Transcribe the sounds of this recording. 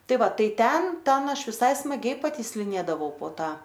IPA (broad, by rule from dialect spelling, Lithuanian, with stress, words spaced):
ˈtɐɪ ˈʋɐ ˈtɐɪ ˈtʲɛn ˈtʲɛn ˈɐʃ ʋʲɪˈsɐɪ smɐˈɡʲɛɪ pɐtʲiːsʲlʲɪˈnʲeːdɐʋɐʊ poː ˈtɐ